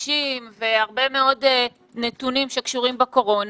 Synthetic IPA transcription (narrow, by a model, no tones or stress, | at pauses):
ʃimve̞haʁbe̞me̞o̞de | netunimʃekʃuʁimbeko̞ʁo̞n